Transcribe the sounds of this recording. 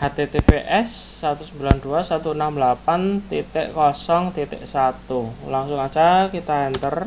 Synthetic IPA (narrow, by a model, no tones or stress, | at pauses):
hat̪et̪epeʔɛsː | at̪usəmbiland̪uasat̪uənamlapant̪it̪ɪ̰ʔkɔsɔŋt̪it̪ɪ̰ʔsat̪ulaŋsʊŋat͡ʃakit̪aɛnt̪ər